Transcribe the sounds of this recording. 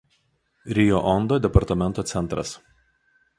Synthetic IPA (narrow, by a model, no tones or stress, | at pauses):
ɾʲɪjoʔɔnd̪oːd̪ʲɛpɐɾt̪ɐmʲɛ̃nt̪oːsʲɛnt̪ɾɐ̰s